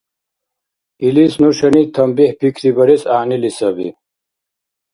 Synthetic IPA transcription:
ilisnɔʃɐnit̪ʰɐmbihpikʰɾibɐɾɛsaːnilisɐbḭ

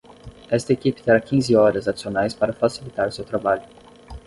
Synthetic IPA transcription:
ɛst̪ɐekipɪ̥t̪eɾakĩzɪɔɾɐzad͡ʒi̥sionajspaɾɐfasilit̪aɾʊsewt̪ɾabaʎʊ

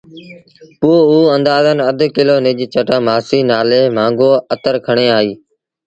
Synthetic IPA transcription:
puːuːənd̪aːzənəd̪ʱkɪloːnɪd͡ʒt͡ʃəʈãːmaːsiːnaːleːmãːŋɡoːət̪əɾkʰəɳ̃eːaːiː

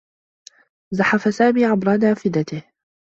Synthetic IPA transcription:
zaħafasaːmiːʕabɾˤɑnaːfɪd̪at̪ɪh

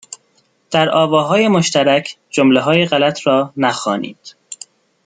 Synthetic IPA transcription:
d̪̥æɾʔɒːvɒːɦɒːje̞moʃt̪æɾæcʰ | d͡ʒomleɦɒːjeɣælæt̪ʰɾɒːnæxɒːnḭːd̪̥

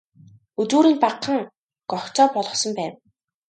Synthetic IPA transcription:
ɵt͡suːɾiːŋpaqʰːə̆ŋ | kɔxt͡sɔːpɔɮʁɞ̆χsɞ̆mpæːw

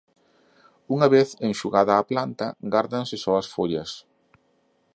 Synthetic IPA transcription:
uŋɐβeθeŋʃuɣaðɐːplant̪ɐɡaɾðɐnsɪsɔɐsfoʎɐs

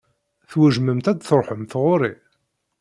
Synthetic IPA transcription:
θwæʒməmt̪æd̪θɾˤħəmθʁʊɾi

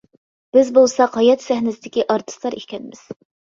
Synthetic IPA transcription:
b̥ɪzbolˠsɑqʰɑjɛt̪sæhnɪsɪd̪ɪkʲiʔɑɾt̪ʰɨ̥st̪lˠɑɾeʃʲkʲɛnɪmɪz̥

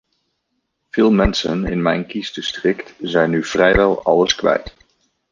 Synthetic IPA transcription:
v̥ɪːlˠmɛnsənɪ̰nmɛjnkistəstrɪktzɛjnːyv̥rɛjʋɛlˠɑ̰ləskʋɛ̰jt

